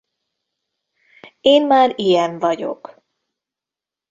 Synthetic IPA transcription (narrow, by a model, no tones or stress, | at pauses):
eːnmaːrijɛɱvɒɟo̞̰k